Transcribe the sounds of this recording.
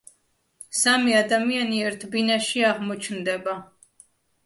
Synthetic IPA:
samiad̪amianiɛɾt̪ʰbinaʃiaʁmɔt͡ʃʰnd̪ɛba

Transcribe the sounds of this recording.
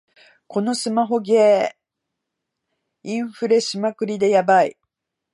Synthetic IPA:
ko̞no̞sɨmaɦo̞ɡe̞ː | ĩɰ̃ɸɯ̟ɾe̞ɕɨmakɯ̟ɾʲid̪e̞jabaḭ

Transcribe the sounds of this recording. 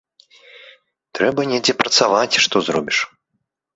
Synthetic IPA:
t̪ɾɛbɐnʲɛd͡zʲɛpɾɐt̪savat͡sʲʂt̪ɔzɾɔbʲiʂ

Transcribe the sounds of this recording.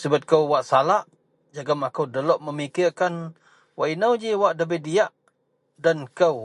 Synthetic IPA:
səbat̪̚kəwwaʔsalaʔ | d͡ʒaɡamakəwdəlɔʔməmikirkan | waʔinəwd͡ʒiwaʔdəbədiaʔ | dankəw

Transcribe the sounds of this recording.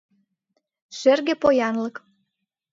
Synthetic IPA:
ʃerɣĕpojɑnlək

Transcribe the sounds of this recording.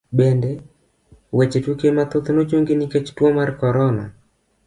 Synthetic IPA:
bɛndɛ | wɛt͡ʃetwokemat̪ʊt̪not͡ʃoŋɡenikɛt͡ʃtwɔmarkɔɾɔna̰

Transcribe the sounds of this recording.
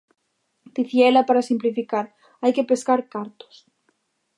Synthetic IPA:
d̪̥iθjelapaɾasimplifikaɾ | ajkepeskaɾkaɾt̪o̥s

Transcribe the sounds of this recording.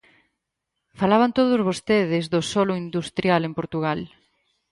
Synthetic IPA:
falaβ̞ant̪oð̞ʊzβost̪eðɪzðʊsolʊind̪ust̪ɾjalempoɾt̪uɣ̞al

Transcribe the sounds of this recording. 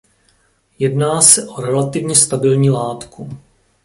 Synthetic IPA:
jɛdnaːsɛʔoɾɛlat̪ɪvɲɛst̪abɪlɲiːlaːt̪ku

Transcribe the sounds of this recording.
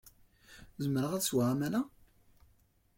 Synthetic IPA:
zəməɾəʁæðswaʁæmæla

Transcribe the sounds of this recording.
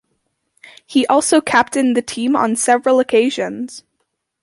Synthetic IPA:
hiʔɔlˠsoʊkʰæp̚tɨ̃nðɨtʰĩmə̰̃nsɛvɹəl̩ˠəkʰeɪʒɨ̃nz̥

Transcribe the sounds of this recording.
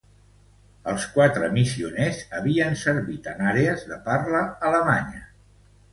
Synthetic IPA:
əlˠskwat̪ɾəmisiunezəβiənsəɾβit̪ənaɾeəzðəparləːləmaɲə

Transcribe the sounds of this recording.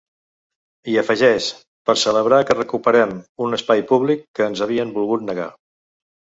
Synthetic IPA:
iəfəʒɛʃ | pəɾsələβɾakərəkupəɾɛmunəspajpuβlikːəːnzəβ̞iəmbulˠɣut̪nəɣa̰

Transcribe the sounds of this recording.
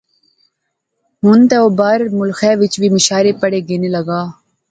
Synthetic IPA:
ɦʊnt̪ɛːoːbaːɾmʊlxɛːʋɪt͡ʃʋiːmʊʃaːɾeːpəɽeːɡeneːlɐɡaː

